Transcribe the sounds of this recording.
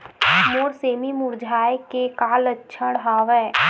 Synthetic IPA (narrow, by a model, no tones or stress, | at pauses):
moːɽseːmimʊɾd͡ʒʱaːjkekaːlətːʃʰəɽɦaːʋɛː